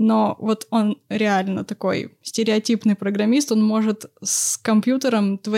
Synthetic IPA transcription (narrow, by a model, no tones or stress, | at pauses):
no̞vo̞t̪o̞nɾʲɪalʲnə̰t̪ɐko̞̰jsʲtʲɪɾʲɪɐtʲipnɨjpɾəɡɾɐmʲist̪o̞nmo̞ʐɨt̪skɐmpjut̪əɾəmt̪vɐ